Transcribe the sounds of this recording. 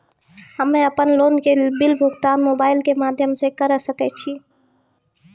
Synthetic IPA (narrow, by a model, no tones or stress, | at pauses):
ɦəmːeəpənlonkebilbʱuɡt̪anmobaɪlkemad̪ʱjəmsekəɾəsəkɛt͡ʃʰi